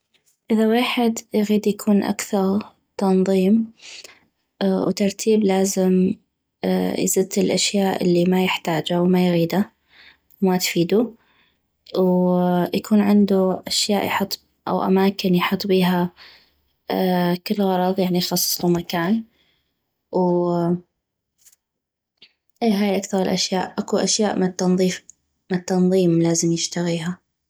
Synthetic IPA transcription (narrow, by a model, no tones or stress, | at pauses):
ʔɪðaweːħɪd̪jɣiːd̪jakʰuːnʔa̰kθɑɾˤ | t̪ɑnðˤiːm | wt̪ɑɾˤt̪ʰiːblaːzɪm̰ | jzɪd̪t̪ɪlʔaʃjaːʔɪ̰lːimajɪħt̪aːd͡ʒawmajɣiːd̪a | wmat̪fiːd̪u | wjakuːnʕɪnd̪uʔaʃjaːʔjħʊt̪ˤː | ʔa̰wʔa̰maːkɪnjħɑt̪ˤːbiːɦa | kɪlːɣɑɾˤɑðˤjaʕnixɑsˤːsˤlumakaːn | w | ʔiːɦaːjʔakθɑɾˤɪlʔaʃjaːʔʔakuʔaʃjaːʔmɪnt̪ːɑnðˤiːf | mt̪ːɑnðˤiːmlaːzɪmjɪʃt̪aɣiːɦa